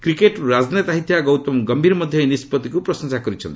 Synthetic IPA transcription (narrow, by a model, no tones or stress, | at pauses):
kɾikeʈɾad͡ʒnet̪aɦit̪ʰjaɡɔwt̪ɔmɡɔmbʱiɾɔmɔd̪ʱjɔinispɔt̪ikupɾɔsɔŋsakɔɾit͡ʃʰɔnt̪i̥